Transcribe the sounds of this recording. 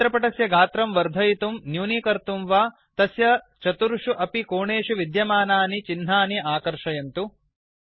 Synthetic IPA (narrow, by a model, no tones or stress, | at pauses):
ɾɐpɐʈɐsjɐɡʱaːt̪ɾɐmʋɐɾd̪ʱɐjit̪umnjuːnikɐɾt̪umʋaː | t̪ɐsjɐ | t͡ʃɐt̪uɾuʂuʔɐpikoːɳeːʂuʋid̪jɐmaːnaːnit͡ʃin̤ɦaːniʔaːkɐɾʂɐjɐnt̪u